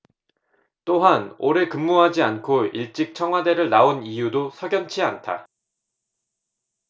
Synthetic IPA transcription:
t͈oɦano̰ɾekɯmːuɦad͡ʑiankʰoiɭt͡ɕ͈ik̚t͡ɕʰʌŋɦwade̞ɾɯɭnaonijudosʰʌɡjʌnt͡ɕʰiantʰa̰

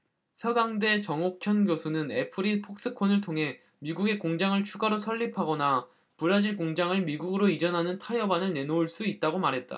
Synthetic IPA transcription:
sʰʌɡaŋde̞t͡ɕʌŋokʰjʌnɡjosʰunɯne̞pʰɯɾipʰok̚s͈ɯkʰonɯɭtʰoŋɦe̞ | miɡuɡe̞koŋd͡ʑaŋɯɭt͡ɕʰuɡaɾosʰʌɭːipʰaɡʌna | puɾad͡ʑiɭkoŋd͡ʑaŋɯɭmiɡuɡɯɾoid͡ʑʌnɦanɯntʰajʌbanɯɭne̞nouɭs͈uit̚t͈aɡomaɾɦe̞t̚t͈a̰

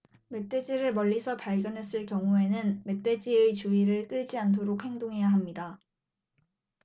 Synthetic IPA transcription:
me̞t͈ʰe̞d͡ʑiɾɯɭmʌʎːisʰʌpaɭɡjʌnɦe̞s͈ɯɭkjʌŋue̞nɯnme̞t͈ʰwe̞d͡ʑiet͡ɕuiɾɯɭk͈ɯɭd͡ʑiant̬ʰoɾok̚he̞ŋdoŋɦe̞jaɦamɲida

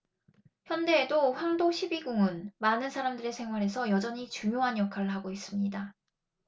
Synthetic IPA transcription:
çjʌnde̞ːdoɸwaŋdoɕʰibiɡuŋɯnmanɯnsʰaɾamdɯɾe̞sʰe̞ŋwaɾɦe̞sʰʌjʌd͡ʑʌɲit͡ɕuŋjoɦanjʌkʰaɾɯɭɦaɡois͈ɯmɲida

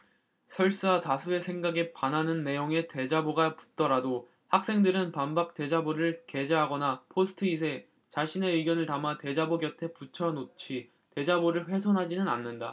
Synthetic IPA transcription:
sʰʌɭs͈ɯwatasʰue̞sʰe̞ŋɡaɡe̞pananɯnːe̞joŋe̞te̞d͡ʑaboɡapu̥t̚t͈ʌɾado | hak̚s͈e̞ŋdɯɾɯnpambak̚t͈e̞d͡ʑaboɾɯɭke̞d͡ʑeɦaɡʌnapʰosʰɯ̥tʰɯis̬ʰe̞ | t͡ɕaɕʰine̞ɯɡjʌnɯɭtamate̞d͡ʑaboɡjʌtʰe̞put͡ɕʰʌnot͡ɕʰi | te̞d͡ʑaboɾɯɭɸwe̞sʰʌnɦad͡ʑinɯna̰nːɯnda

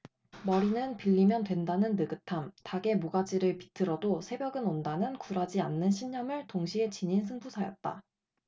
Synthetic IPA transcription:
mʌɾinɯnpiʎːimjʌndwe̞ndanɯnːɯɡɯtʰamtaɡe̞moɡad͡ʑiɾɯɭpi̥tʰɯɾʌdosʰe̞bjʌɡɯnondanɯnkuɾad͡ʑianːɯnɕʰiɲːʌmɯɭtoŋɕʰie̞t͡ɕiɲinsʰɯŋbusʰajʌt̚t͈a̰

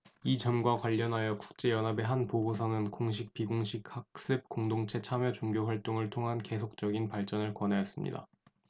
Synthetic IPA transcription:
it͡ɕʌmɡwakwaʎːʌnɦajʌku̥k̚t͡ɕ͈e̞jʌnɦabe̞ɦanpoɡosʰaʌnɯnkoŋɕ̬ʰik̚p͈iɡoŋɕʰik̚hak̚s͈ɯp̚k͈oŋdoŋt͡ɕʰe̞t͡ɕʰamjʌt͡ɕoŋɡjoɸwaɭt͈oŋɯɭtʰoŋɦanke̞sʰok̚t͡ɕ͈ʌɡinpaɭt͡ɕ͈ʌnɯɭkwʌnɦaʌs͈ɯmɲḭda̰

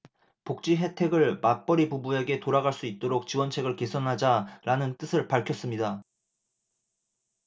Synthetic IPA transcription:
pok̚t͡ɕ͈iɦe̞tʰe̞ɡɯɭmap͈ʌɾipubue̞ɡe̞toɾaɡaɭs͈uit̚t͈oɾok̚t͡ɕiwʌnt͡ɕʰe̞ɡɯɭke̞sʰʌnɦad͡ʑaɾanɯnt͈ɯsʰɯɭpaɭkʰjʌs͈ɯmɲida

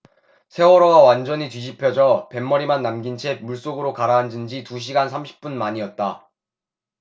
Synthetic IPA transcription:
sʰe̞wʌɾʌɡawand͡ʑʌɲitɥid͡ʑipʰjʌd͡ʑʌpe̞mːʌɾimanːamɡint͡ɕʰe̞muɭs͈oɡɯɾokaɾaɦːnd͡ʑɯnd͡ʑituɕ̬ʰiɡansʰamɕʰi̥p̚p͈unmaɲiʌt̚t͈a

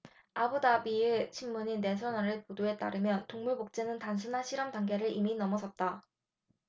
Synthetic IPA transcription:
abudabiet͡ɕʰimːuɲine̞sʰʌnaɾɯɭpodoɦe̞t͈aɾɯmjʌntoŋmubok̚t͡ɕ͈e̞nɯntans̬ʰunɦaɕʰiɾʌmtaŋɡe̞ɾɯɭiminʌmʌsʰʌt̚t͈a

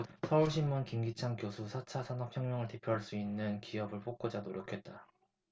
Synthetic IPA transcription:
sʰʌuɭɕʰimːunkimɡit͡ɕʰaŋkjosʰusʰat͡ɕʰasʰanʌk̚ʰjʌŋmjʌŋɯɭte̞pʰjoɦaɭs͈uinːɯnkiʌbɯɭpʰok̚k͈od͡ʑanoɾjʌkʰe̞t̚t͈a

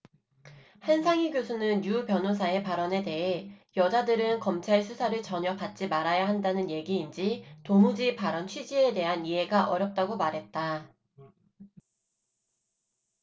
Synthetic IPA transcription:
hensʰaŋiɡjosʰunɯnjupjʌnɦos̬ʰae̞paɾʌne̞te̞ɦejʌd͡ʑadɯɾɯnkʌmt͡ɕʰaɭsʰusʰaɾɯɭt͡ɕʌɲʌpat̚t͡ɕ͈imaɾajaɦandanɯnje̞ɡiːnd͡ʑitomud͡ʑipaɾʌnt͡ɕʰɥid͡ʑie̞de̞ɦaniɦe̞ɡaʔʌɾjʌp̚t͈aɡomaɾɦe̞t̚t͈a

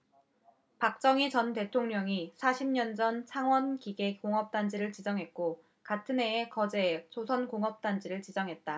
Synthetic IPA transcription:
pak̚t͡ɕ͈ʌŋit͡ɕʌnte̞tʰoŋɲʌŋisʰaɕʰimɲʌnd͡ʑʌnt͡ɕʰaŋwʌnkiɡe̞koŋɦʌp̚t͈and͡ʑiɾɯɭt͡ɕid͡ʑʌŋɦe̞t̚k͈o | katʰɯne̞ːkʌd͡ʑe̞t͡ɕosʰʌnkoŋɦʌp̚t͈and͡ʑiɾɯɭt͡ɕid͡ʑʌŋɦe̞t̚t͈a

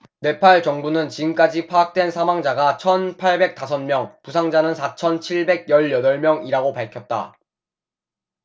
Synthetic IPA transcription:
ne̞pʰaɭt͡ɕʌŋbunɯnt͡ɕiɡɯmk͈ad͡ʑipʰaːk̚t͈we̞nsʰamwaŋd͡ʑaɡat͡ɕʰʌnpʰaɭbe̞k̚t͈as̬ʰʌnmjʌŋpusʰaŋd͡ʑanɯnsʰat͡ɕʰʌnt͡ɕʰiɭbe̞ɡ̚jʌɭjʌdʌɭmjʌŋiɾaɡopaɭkʰjʌt̚t͈a̰

